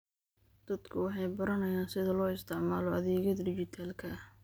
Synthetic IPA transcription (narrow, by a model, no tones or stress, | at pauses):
d̪̥ɐd̪̥kʰʊwɑħɑjbɐɾɐnɐjaːnsɪðɐlɔːɪst̪ʰɪʕmaːlɔɐðɛːɣɐd̪ɖɪt͡ʃɪt̪ʰaːlkʰɐɐh